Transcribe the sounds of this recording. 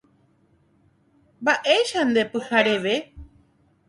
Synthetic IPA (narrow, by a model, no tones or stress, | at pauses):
mbaʔeʃand̪epɨhaɾeʋe